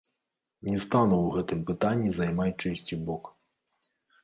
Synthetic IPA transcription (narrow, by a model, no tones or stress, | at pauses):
nʲɛst̪anuwɣɛt̪ɨmpɨt̪anʲːizɐjmajt͡ʂɛsʲt͡sʲibɔk